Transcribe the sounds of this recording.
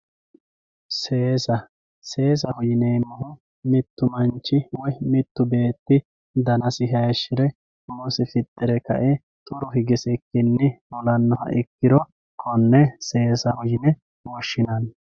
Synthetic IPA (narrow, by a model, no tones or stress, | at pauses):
se̞ːsɐ | se̞ːs̬ɐhʊjɪneːmɐhʊ | mɪt̪ːʊmɐnt͡ʃːɪwɔjmɪt̪ːʊbe̞ːt̪ːɪ | d̪ɐnɐsɪɦɐjʃɪɾɛ | mɔsɪfɪt̪ʼːɪɾɛkɐ̰ʔɛ | t̪ʼʊɾɔɦɪɡɪsɛkːɪnːɪmɔlɐnːɔhɐ̰ʔɪkːɪɾɔ | kʰɔnːɛse̞ːsɐhʊjɪnɛ | wɔʃːɪnɐn